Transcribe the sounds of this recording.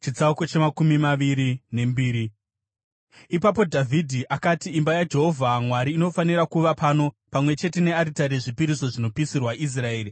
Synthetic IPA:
t͡ʃid͡zauko̞t͡ʃe̞makumimaʋiɾine̞mbiːɾi | ipap̬o̞dʱavʱidʱiʔakatiːmbajad͡ʒe̞ɦo̞vʱamwaɾiːno̞faniɾakuʋapano̞ | pamwe̞t͡ʃe̞te̞ne̞aɾitaɾe̞ʐipiɾiso̞ʐino̞pisirwaʔis̬rae̞ːri

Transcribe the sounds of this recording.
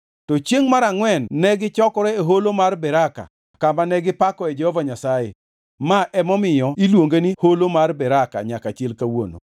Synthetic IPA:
tɔt͡ʃjeŋmaɾaŋwɛnːɛɡɪt͡ʃɔkɔɾɛeɦolomarbɛɾaka̰ | kamanɛɡɪpakɔɛd͡ʒɛhovaɲasajḛ | maʔɛmɔmɪjɔilwoŋɡeniholomarbɛɾaka̰ɲakat͡ʃelkawo̰no̰

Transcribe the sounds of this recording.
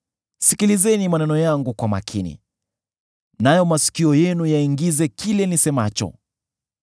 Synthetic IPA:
sikilizɛnimanɛnɔjaŋɡukwama̰kʰinḭ | najɔmasi̥kiɔjɛnujaiŋɡizɛkilɛnisɛmat͡ʃɔ̰

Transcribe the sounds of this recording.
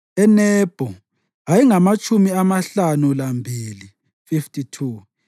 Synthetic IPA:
ɛnɛb̥ʱɔ | ajiŋamat͡ʃʼʰumiamaɬanulambʱiːli | fiftʰʼitʰuː

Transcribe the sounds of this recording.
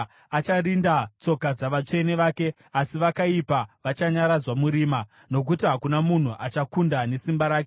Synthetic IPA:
at͡ʃarindat͡so̞kad͡zaʋat͡ʂe̞ne̞ʋaːke̞ | asiʋakaipaʋat͡ʃaɲaɾad͡zwamuɾiːma | no̞k̬utiɦakunamun̤uʔat͡ʃakundane̞simbaɾaːke

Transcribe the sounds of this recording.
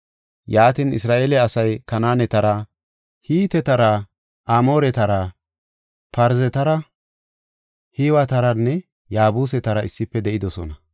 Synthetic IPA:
jaːt̪inɪ̰sɾaːʔeːlɛɐsɐjkɐnaːnɛt̪ɐɾɐ | hiːt̪ɛt̪ɐɾɐ | ʔamo̞ːɾɛt̪ɐɾɐ | pɐɾzɛt̪ɐɾɐ | hiːwɐt̪ɐɾɐnːɛ | jaːbuːs̬ɛt̪ɐɾɐɪsːɪpːɛd̪ɛʔɪd̪ɔsɔ̰nɐ

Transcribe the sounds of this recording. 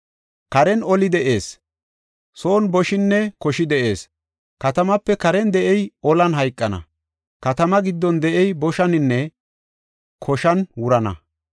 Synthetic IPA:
kɐɾɛnɔlɪd̪ɛʔeːs | so̞ːnbɔʃɪnːɛkɔʃɪd̪ɛʔe̞̰ːs | kɐt̪ɐmɐpːɛkɐɾɛnd̪ɛʔɛjɔlɐnɦɐjkʼːɐnɐ̰ | kɐt̪ɐmɐɡɪd̪ːɔnd̪ɛʔɛjbɔʃɐnɪnːɛ | kʰɔʃɐnwʊɾɐnɐ̰

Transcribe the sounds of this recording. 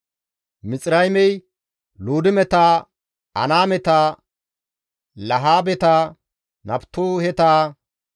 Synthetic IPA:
mɪt͡sʼɾɐjmɛj | luːd̪ɪmɛt̪a | ɐ̰naːmɛt̪a | lɐɦaːbɛt̪aː | nɐbt̪ːoːhɛt̪aː

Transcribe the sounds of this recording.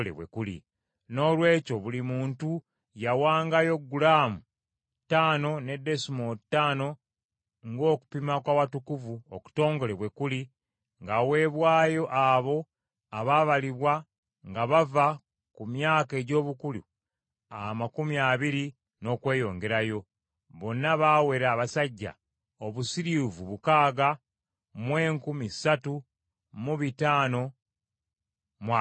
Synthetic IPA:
lḛβwḛkulḭ | no̞ːlwe̞ːco̞βulimuːntu | jawaːŋɡajo̞ɡːulaːmu | tːaːno̞ne̞de̞sumotːaːno̞ | ŋɡo̞ːku̥pimakwawatukuvuoku̥to̞ːŋɡo̞leβwe̞kuli | ŋɡawe̞ːβwaːjo̞ʔaβo̞ | aβaβaliβwa | ŋɡaβava | kumjaːke̞ːɟo̞ːβukulṵ | amakumiaːβiɾi | no̞ːkwe̞ːjo̞ːŋɡe̞ɾajo̞ | βo̞nːaβaːwe̞ɾaːβasaɟːa̰ | o̞βusiɾivuβukaːɡa | mwe̞ːŋkumisatu | muβitaːno̞ | mwa

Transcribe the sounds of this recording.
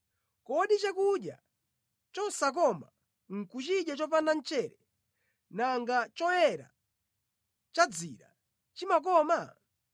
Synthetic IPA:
kɔɗit͡ʃakuɗja̰ | t͡ʃɔsak̬ɔma̰ | ŋ̩kut͡ʃiɗjat͡ʃɔpandan̩t͡ʃɛɾɛ | naŋɡat͡ʃɔjɛɾa̰ | t͡ʃad͡zḭɾa̰ | t͡ʃimak̬ɔma

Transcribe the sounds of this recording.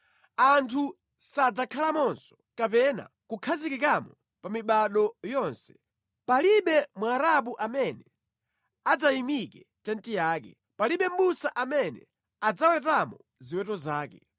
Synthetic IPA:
antʰu | sad͡zakʰalamɔnsɔ̥ | kapɛna̰kukʰazikɛkamɔ | pamiɓaɗɔjɔnsɛ̥ | paliɓɛmwaɾap̬uʔamɛnɛ | ad͡zajimikɛ | tɛntijaːkɛ̰ | paliɓɛm̩busaʔamɛnɛ̰ | ad͡zawɛtamɔ | ziwɛtɔzaːkɛ

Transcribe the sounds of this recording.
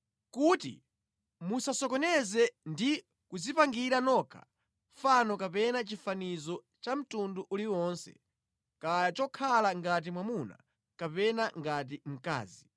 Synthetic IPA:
kutḭ | musasɔkɔnɛzɛndi | kuzipaŋɡiɾanɔkʰa̰ | fanɔkapɛnat͡ʃifanizɔ | t͡ʃam̩tunduʔuliwɔnsɛ̰ | kajat͡ʃɔkʰalaŋɡat̬imwamuna̰ | kapɛnaŋɡat̬im̩ka̰ːzi

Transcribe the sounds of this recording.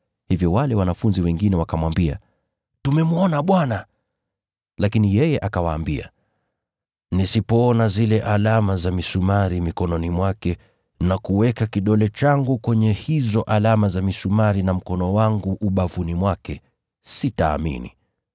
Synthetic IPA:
hivjɔwalɛwanafunziwɛŋɡinɛwakamwambia̰ | tumɛmuɔnaɓwana | lakinijɛjɛʔakawa̰ːmbia̰ | nisipɔːnazilɛʔalamazamisumaɾimikɔnɔnimwakɛ | nakuwɛkakiɗɔlɛt͡ʃaŋɡukwɛɲɛhizɔʔalamazamisumaɾinam̩kɔnɔwaŋɡuʔːɓavunimwakɛ | sitaːmḭnḭ

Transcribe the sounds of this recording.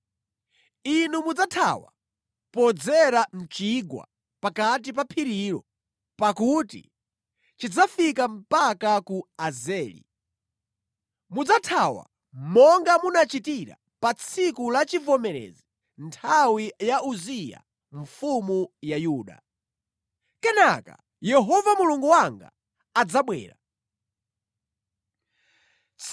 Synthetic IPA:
inumud͡zatʰa̰wa̰ | pɔd͡zɛɾam̩t͡ʃiɡwa̰ | pakat̬ip̬apʰiɾiɾɔ̰ | pakutḭ | t͡ʃid͡zafikam̩pakakuazɛːlḭ | mud͡zatʰawa̰ | mɔŋɡamunat͡ʃitiɾa̰ | pat͡sʰikulat͡ʃivɔmɛɾɛ̰zi | ntʰawijauzija̰ | ɱ̩fumujajuːɗa̰ | kɛnaka̰ | jɛɦɔvamuluŋɡuwaŋɡa̰ | ad͡zaɓwɛ̰ːɾa

